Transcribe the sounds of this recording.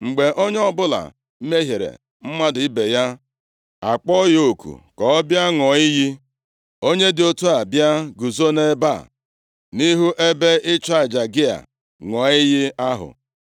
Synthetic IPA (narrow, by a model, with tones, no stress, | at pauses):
ŋ͡m̩˨ɡ͡be˨ʔo˦ɲ˦ɔ˦bʊ˦la̰˨˦ | me˦ɦe˨ɾḛ˨ | m̩˦ma˦dʊ˨ɪ˦be˨ja˦ | a˨k͡pɔ˦jo˨kʰṵ˨kɔ˨˦bja˦ŋɔ˨i˦ji˦ | o˦ɲe˦dɪ˨o˦tu˦a˨bja˦ɡu˨zo˦ne˦ba̰˦˨ | ni˦ɦu˦ʔe˦be˦ɪ˦t͡ʃa˦˨d͡ʒa˨ɡɪ˦a̰˨ | ŋɔ˨i˦ji˦a˦ɦʊ̰˨